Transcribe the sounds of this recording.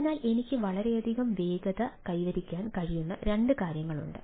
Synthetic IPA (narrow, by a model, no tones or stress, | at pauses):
nːaːle̞nikʲːɨʋɐɭɐɾe̞ɐd̪ʱiɣɐmʋe̞ːɡɐðɐkɐjʋɐɾikʲːaːnkɐɻijunːɐɾe̞ɳɖɨkaːɾjɐŋːɐɭṵɳɖɨ̰